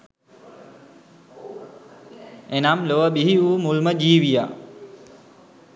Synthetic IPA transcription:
enamloʋəbiɦiuːmulməd͡ʒiːʋija̰

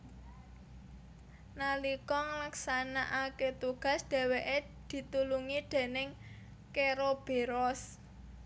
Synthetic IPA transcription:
nalikɔŋlaksanaʔaket̪uɡ̥a̤sd̪̥ɛ̤weʔe | d̪̥i̤t̪uluŋid̪̥e̤nɪŋ | keɾob̥e̤ɾɔs

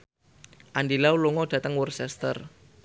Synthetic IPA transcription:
ʔandilauloŋɔɖ̥ä̤t̪əŋwərsɛst̪ə̰r

